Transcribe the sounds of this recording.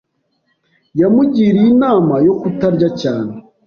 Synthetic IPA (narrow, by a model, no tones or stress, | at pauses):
jamuɟiːɾiinaːmajo̞kutaɾɟacaːne